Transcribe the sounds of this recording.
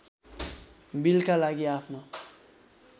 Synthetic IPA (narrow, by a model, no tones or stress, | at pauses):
bilkalaɡiapʰno